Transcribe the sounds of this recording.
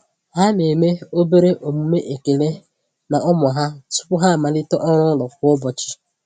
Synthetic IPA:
ɦa˦ne˨me˦o˦be˦ɾe˦ʔo˨mu˨me˦ʔe˨ke˨le˦ | na˨ʔɔ˦mɔ˨ɦa˦sʊ̥˦pʊ˦ɦa˦˨ma˨lɪ˦tɔ˦ʔɔ˦ɾ̃ʊ˦lɔ˨kʷʊ˦ɔ˦bɔ˨t͡ʃɪ̥˦

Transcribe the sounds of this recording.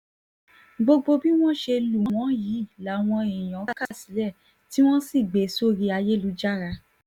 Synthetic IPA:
ɡ͡bo˧ɡ͡bo˧bi˦w̃ɔ̃˦ʃe˧lu˨ɔ̃˨w̃ɔ̃˨˦ji˨˦˨la˨˦˨w̃ɔ̃˧e˨j̃ɔ̃˨˦ka˦˨si̥˨˦lɛ˦˨ | ti˦w̃ɔ̃˦si˦˨ɡ͡be˨˦so˦ɾi˧a˧je˦lu˨˦d͡ʒa˦˨ɾa˧

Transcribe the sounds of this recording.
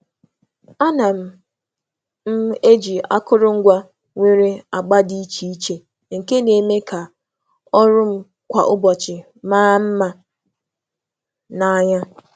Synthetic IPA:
a˦na˨m̩˨ | m̩˦e˦d͡ʒi˨a̰˦kʊ˦ɾʊ˦ŋ̩˦ɡʷa˦ | ŋʷe˦ɾe˦a˨ɡ͡ba˦di˦i˦t͡ʃi˨i˦t͡ʃe˨ | ŋ̩˨ke˦ne˨me˦ka˨ | ɔ˦ɾʊ˦m̩˦ | kʷa̰˨ʔʊ˦bɔ˨t͡ʃɪ˨ | maː˦m̩˦ma˨ | na˨ɲa˦

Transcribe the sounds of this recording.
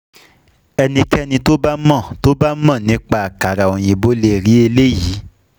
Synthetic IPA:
ɛ˧nĩ˧kɛ˦nĩ˧to˦ba˦mã˦˨to˦ba˦mã˦˨nĩ˨˦k͡pa˦a˨ka˨ɾa˨o˨j̃ĩ˨bo˦le˧˨ɾi˨˦e˧le˦ji˨˦

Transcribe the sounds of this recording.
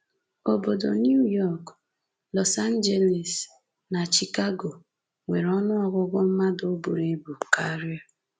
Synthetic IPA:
o˨bo˨do˨nju˦jɔ˦˨k | lɔ˨sa˦n̩˦d͡ʒe˦le˨s | na˨t͡ʃi˨ka˦ɡo˨ | ŋʷe˨ɾɔ˦nʊ˦ɔ˦ɡʷʊ˦ɡʷʊ˦m̩˦ma˦do˦bo˨ɾe˦bu˨ka˦ɾjɔ˦

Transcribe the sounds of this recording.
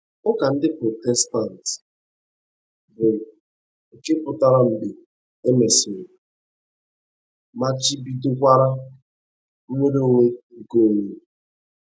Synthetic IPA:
ʊ˦ka˨n̩˦dɪ˦pɾɔ˨tɛ˦sta˦˨n˨t | bʊ˨ | e˨ke˦pʊ˨ta˦ɾa˦m̩˨bɪ˨ | e˦me˨sɪ˨ | ma˦t͡ʃi˦bi˦dʊ˦kʷa˦ɾa˦ | m̩˦me˦ɾo˦ŋʷe˦ŋ̩˦˨ko˦˨ŋe˦

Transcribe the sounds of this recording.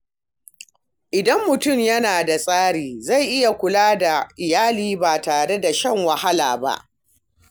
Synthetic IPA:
ʔɪ˨dɐ˦mːʊ˨tʊ˦˨mjɐ˦naː˨da˨sʼaː˦ɽiː˨za˦˨jʔɪ˦ja˨kʷʊ˨laː˦da˨ʔɪ˨jaː˦liː˦baː˨taː˨ɽe˦da˨ʃɐ˦˨ŋwɐ˨ha˦la̰ː˨ba̰˦ʔ

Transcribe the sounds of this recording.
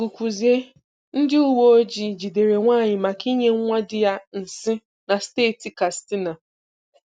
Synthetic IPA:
ɡu˨kʷu˨zi˨e˦ | n̩˦dɪ˦u˦wo˦o˦d͡ʒi˨d͡ʒi˨de˨ɾe˨ŋʷaː˦˨ɲɪ˨ma˨ki˦ɲe˦ŋ˦ŋʷa˦dɪ˨ja˦n̩˨sɪ˦ | na˨steː˦˨ti˨ka˨stɪ˦na˨

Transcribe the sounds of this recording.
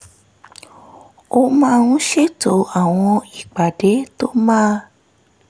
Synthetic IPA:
o˧mãː˦˧ũ˦ʃe˦to˨˦a˦˨w̃ɔ̃˧i˨k͡pa˨de˨˦to˦mãː˦

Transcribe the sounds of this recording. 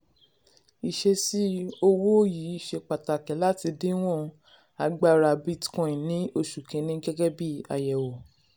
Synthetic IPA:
i˨ʃe˧si˦o˧wo˦o˦ji˨˦i˦˨ʃe˧k͡pa˨ta˨kɛ˨˦la˦ti˧de˦w̃ɔ̃˦˨˧ | a˧ɡ͡ba˦˨ɾa˧˨bi˦tkɔ̃˧˨ĩ˨nĩ˨˦o˦˨ʃu˨kẽ˨˦nĩ˦ɡɛ˦ɡɛ˦bi˦˨a̰˨jɛ˨wo˨

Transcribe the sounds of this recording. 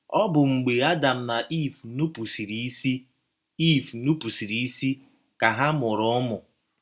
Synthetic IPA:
ɔ˦bʊ˨ŋ͡m̩˨ɡ͡be˨a˦da˨m̩˨na˨ʔi˦˨fnu˦pu˨si˨ɾi˨˦si˦ | i˦˨fnu˦pu˨si˨ɾi˨i˦si˦ | ka˨ɦa˦mʊ˨ɾɔ˦mʊ˨

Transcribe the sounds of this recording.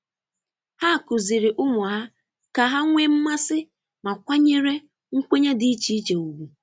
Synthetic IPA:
ha˦˨kʊ˨zɪ˨ɾɪ˨ʔʊ˦mʊ˨ɦa˦ | ka˨ɦa˦ŋʷe˦m̩˦ma˦sɪ˦ | ma˨kʷa˦ɲe˦ɾe˦ | ŋ̩˦kʷe˦ɲe˦dɪ˦i˦t͡ʃi˨i˦t͡ʃe˨u˨ɡu˨

